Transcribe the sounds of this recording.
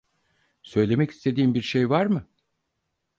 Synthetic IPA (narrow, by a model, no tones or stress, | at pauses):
sø̞jlʲe̞mɛci̥st̪ʰe̞d̪iːmbiɾʃejvaɾmɯ